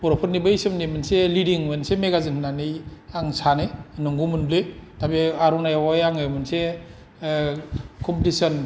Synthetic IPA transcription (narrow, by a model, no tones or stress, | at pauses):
pɔɾɔpʰt̚nibɐjsɯmnemɯnselidiŋmɯnsemeɡazɯnnanɯjaŋsanenɯŋɡumunlɯjtabeaɾɔnajawajaŋɯjmɯnse | kʰɔmpitisɔn